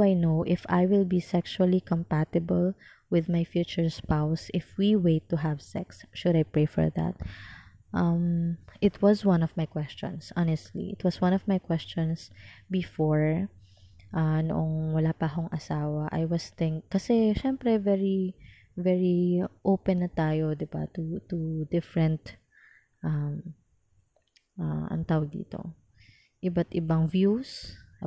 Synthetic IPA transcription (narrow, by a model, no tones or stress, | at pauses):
ajnowʔɪfa̰jwɪlbisɛksuɐlikɔmpat̪ɪbɐl | wɪðmajfjuːt͡ʃʊɹspawsʔɪfwiweɪt̪ːʊɦavsɛ̰ksʃʊd̪ajpɹejfɔ̰ɹðæ̰t̪̚ | ʔɐmʔɪt̪ʰwɐswɐ̃nɔvmajkwɛst͡ʃɔ̰̃nsʔɑnɛst̪lḭʔɪt̪wɐswɐ̃nɔvmajkwɛst͡ʃɔ̃nsbɪfɔɹ | ʔanoʔoŋwɐlaːpɐɦoŋʔɐsaːwɐʔɐ̰jwɐst̪ɪŋkːɐsɛʃɛmpɾɛvɛɹi | vɛɹiʔowpɛnːɐt̪aːjod̪ɪba̰t̪ut̪ud̪ɪfɹɛnt̪ | ʔɐm | ʔaʔɐ̰ŋt̪aːwɐɡ̚d̪ḭːt̪o̞̰ | ʔɪbat̪ʔɪbɐŋvjus